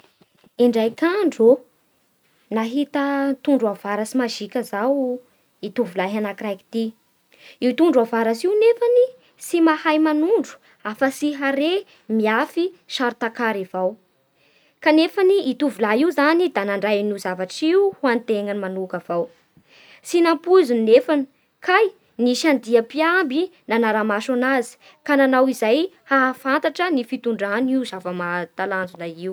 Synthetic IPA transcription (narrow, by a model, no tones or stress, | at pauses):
iɳɖ͡ʐajkaɳɖ͡ʐo | naɦit̪ət̪uɳɖ͡ʐuavaɾasimaʒikʲəzaw | it̪uvulaɦanakɾajki̥t̪i | iut̪uɳɖ͡ʐuavaɾasiwnefani | simahajmanuɳɖ͡ʐu̥ | afəsiɦaɾe | miafiʃaɾut̪akaɾivaw | kanefaniːt̪uvulaiuzanid̪anaɳɖ͡ʐajnuzavaʈ͡ʂiuhuant̪eŋənimanukav̥aw | sinampuzuninefani̥ | kʰaj | niʃand̪iəpiambinanaɾamaʃonazi̥ | kananawizajhaːfant̪aʈ͡ʂənifit̪uɳɖ͡ʐaniuzavəmat̪aland͡zunaiw